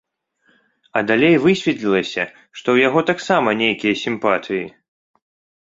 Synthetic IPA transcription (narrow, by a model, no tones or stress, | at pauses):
ɐd̪alʲejvɨsʲvʲɛt̪lʲilˠɐsʲɐ | ʂt̪ɔwjaɣɔt̪aksamɐnʲejkʲijɐsʲimpat̪ɨji